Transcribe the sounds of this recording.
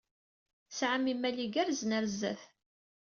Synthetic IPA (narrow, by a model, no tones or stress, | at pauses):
sʕəmimæliɡæɾznəɾzæ̰θ